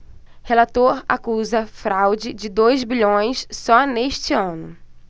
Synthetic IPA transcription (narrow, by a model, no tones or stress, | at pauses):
helat̪oɾa̰kuzɐfɾawd͡ʒɪd͡ʒɪd̪ojzbiʎõj̃ssɔneʃt͡ʃɪɐ̃nʊ